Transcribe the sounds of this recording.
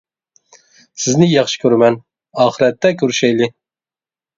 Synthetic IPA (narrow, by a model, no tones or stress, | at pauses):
sɪznɪjɑχʃɨ̥kʲʰøɾmɛn | ɑːχɨɾɛt̪ːɛkʲʰøɾyʃɛjlɪ